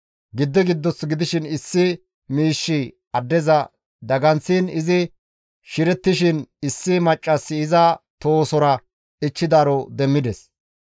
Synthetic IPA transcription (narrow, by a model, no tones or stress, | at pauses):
ɡɪd̪ːɛɡɪd̪ːɔsɡɪd̪ɪʃɪnɪsːɪ | miːʃːɪ | ɐd̪ːɛzɐ | d̪ɐɡɐnt͡sːɪnɪzɪ | ʃɪɾɛt̪ːɪʃɪnɪsːɪmɐt͡ʃʼːɐsːɪːzɐt̪oːsɔɾɐ | ɪt͡ʃːɪd̪aːɾɔd̪ɛmːɪd̪ɛs